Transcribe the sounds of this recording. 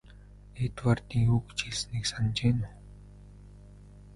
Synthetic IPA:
et̪wart̪iːŋuːkt͡ɕiɮsniːksant͡ɕeːnʊ

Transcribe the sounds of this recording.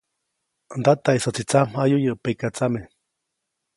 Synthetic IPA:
nd̪at̪aisat͡sit͡sam̥ajujɨʔpekat͡same

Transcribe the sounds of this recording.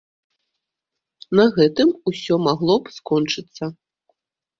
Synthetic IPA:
nɐɣɛt̪ɨmusʲɔmaɣlˠɔpskɔnt͡ʂɨt̪sːɐ

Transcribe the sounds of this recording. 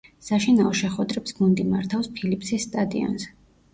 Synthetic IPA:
saʃinaɔʃɛχwɛd̪ɾɛpsɡund̪imaɾt̪ʰafspʰilipʰsisːt̪ʼad̪ḭɔ̰nzɛ

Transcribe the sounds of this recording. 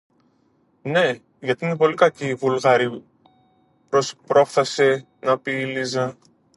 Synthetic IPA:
ne̞ | ʝɐt̪iine̞po̞likɐciːvulɣɐɾi | pɾospɾo̞fθɐse̞ | nɐpiːlizɐ

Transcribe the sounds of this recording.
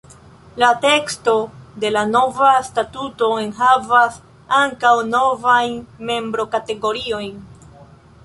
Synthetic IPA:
late̞ksto̞de̞lano̞vastatuto̞e̞nɦavas | aŋkawno̞vajnme̞mbɾo̞kate̞ɡo̞ɾio̞jn

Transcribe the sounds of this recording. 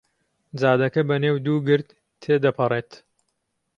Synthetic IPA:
d͡zaːd̪ɐkɐbɐneːwd̪uːɡɨɾd̪ | t̪ʰːeːd̪ɐpʰɐrˤeːt̪

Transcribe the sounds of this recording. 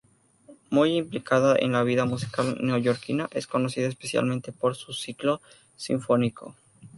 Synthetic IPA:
mujimplikaðaʔḛnlaβ̞iðamusi̥kalneoʝoɾkinaʔe̞sko̞no̞siðaespe̞sja̰lment̪e̞po̞ɾsusiklo̞ | sḭɱfo̞nikʰo̞̰

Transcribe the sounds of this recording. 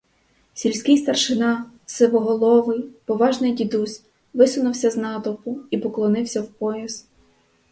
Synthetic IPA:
sʲilʲsʲkʲɪjst̪ɐrʃɪnɑsɪʋɔɦɔlˠɔʋɪpɔʋɑʒnɪjdʲid̪usʲ | ʋɪsʊnʊwsʲɐznɑt̪ɔpʊipɔklˠɔnɪwsʲɐwpɔjɐz̥

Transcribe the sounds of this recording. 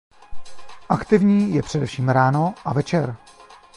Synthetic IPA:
ʔakt̪ɪvɲiːjɛpr̝̥ɛdɛfʃiːmɾaːno̞ʔavɛt͡ʃɛɾ

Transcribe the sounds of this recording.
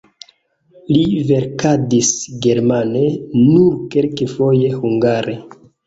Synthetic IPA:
live̞ɾkadisɡe̞ɾmane̞nuɾkelkefo̞jehuŋɡaɾe

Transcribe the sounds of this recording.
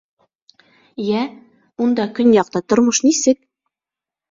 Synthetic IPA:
jæ | und̪ɑkɵnjɑq̚t̪ɑt̪ŏɾmɤʃnisɘk̚

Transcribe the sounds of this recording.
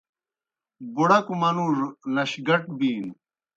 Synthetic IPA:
buɽɐkumɐnuɾlɐɕɡɐʈbiːn

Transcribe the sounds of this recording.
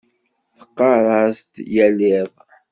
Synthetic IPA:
θə̥qːɑɾˤɑst̪jælɪðˤ

